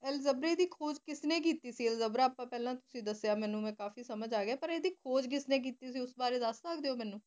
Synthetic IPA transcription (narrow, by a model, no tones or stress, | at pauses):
ɛlzəbɾeːd̪iːkʰoːd͡ʒkɪsneːk̬iːt̪iːsiːɛlzəbɾaːaːpãːpɛːlãːt̪ʊsĩːd̪əsejaːmɛ̃ːnũːmɛ̃ːkaːfiːsəməd͡ʒaːɡeaːpəɾeːd̪iːkʰoːd͡ʒk̬ɪsneːk̬iːt̪iːsiːʊsbaːɾeːd̪əst̪aːkd̪eːoːmɛːnũː